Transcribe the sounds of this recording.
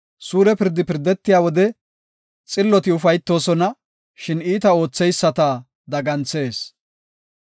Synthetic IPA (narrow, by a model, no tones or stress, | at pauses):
suːɾɛpɪɾd̪ɪpɪɾd̪ːɛt̪ːɪjaːwɔd̪ɛ | t͡sʼɪlːɔt̪ɪʊfɐjt̪ːo̞ːsɔnɐ | ʃɪniːt̪ɐo̞ːt͡sːɛjsːɐt̪ɐ | d̪ɐɡɐnt͡sːe̞ːs